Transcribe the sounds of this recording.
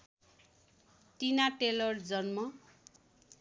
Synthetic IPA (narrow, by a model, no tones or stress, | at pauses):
ʈinaʈelʌrd͡zʌnmʌ